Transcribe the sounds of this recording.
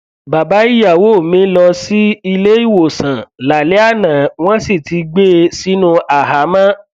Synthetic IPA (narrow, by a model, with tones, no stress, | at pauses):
ba˨ba˨˦i˦ja˦˨wo˦˨mĩ˨˦lɔ˧si˦i˧le˦i˦˨wo˨sã˨la˨le˨˦a˦˨nã˨w̃ɔ̃˦si˦˨tʰi˧ɡ͡be˦si˨˦nũ˦a˨ɦa˨˦mã˦